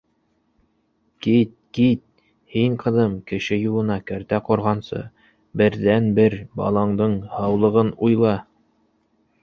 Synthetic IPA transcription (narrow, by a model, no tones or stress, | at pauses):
kit̪̚kit̪̚ | hiɴqɤ̆ðɤmkɘ̆ʃɘjulˠɤ̆nɑkæɾt̪æqŏɾʁɑnsɤ̰ | bɘ̆ɾðænbɘɾbɑ̰lˠɑɴd̪ɤɴhɑwlˠɤ̆ʁɤnujlˠɑ